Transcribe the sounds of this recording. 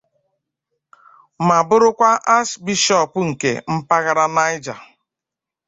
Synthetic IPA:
ma˨bʊ˦ɾʊ˦kʷa˦ʔa˦sbi˦ʃɔ˦˨pŋ̩˨kḛ˨m̩˦pa˦ɣa˦ɾa˦na˦ɪ˦d͡ʒa˨

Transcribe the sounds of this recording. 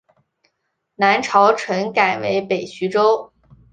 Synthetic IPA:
na˧˥nʈ͡ʂʰɑ˧˥ʊʈ͡ʂʰɤ˧˥ŋka˨˩ɪwe˧˥ɪpe˨˩ɪɕy˧˥ʈ͡ʂo˥ʊ

